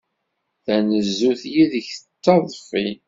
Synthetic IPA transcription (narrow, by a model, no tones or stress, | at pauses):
θænəzːuθjiðəçət͡sːɑðˤfi